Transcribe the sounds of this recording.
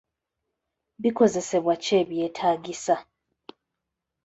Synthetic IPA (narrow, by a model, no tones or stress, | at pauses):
βiko̞ze̞se̞βwat͡ʃe̞ːβje̞tʰaːɡisa